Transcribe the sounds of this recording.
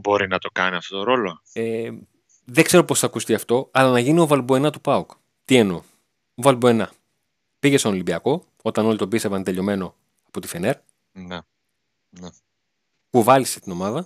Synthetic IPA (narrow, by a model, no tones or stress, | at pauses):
bo̞ɾinɐt̪o̞kɐniɐft̪ot̪oɾo̞lo | e | ðe̞ɡ̥zse̞ɾo̞posθɐkust̪iɐft̪o̞ɐlɐnɐʝinio̞vɐlbue̞nɐt̪upɐuk | t̪ie̞no̞ | ovɐlbuenɐ | piʝest̪oolibiɐko̞ | o̞t̪ɐno̞lit̪o̞bist̪evɐnt̪e̞ʎo̞me̞no̞ | ɐpo̞t̪i̥fe̞ne̞ɾ | ne | ne | puvɐliset̪ino̞mɐðɐ